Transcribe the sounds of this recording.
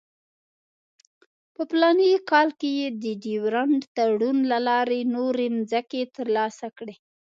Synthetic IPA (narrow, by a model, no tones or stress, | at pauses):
pəplɑnikɑlkejed̪əɖiwɾant̪aɽunlalɑɾenoɾenzəket̪əɾlɑsakɽe